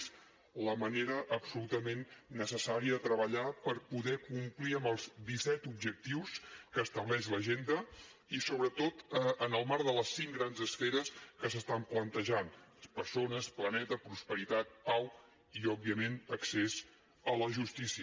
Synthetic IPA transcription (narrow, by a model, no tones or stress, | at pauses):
z | ləməneɾəʔːbsulut̪əmenːəsəsaɾiəðət̪ɾəβəʎapəɾpuðɛkumpliəmbəlˠzd̪isɛt̪ubʒək̚t̪iwskəːst̪əβlɛʃləʒend̪əisoβɾət̪ot̪ənəlˠmaɾðələsiŋɡɾanzəsfeɾəskəsəst̪amplənt̪əʒanpəɾsonəsplənɛt̪əpɾuspəɾit̪at̪̚paw | iɔbːiəmenəksez | ələʒust̪isiə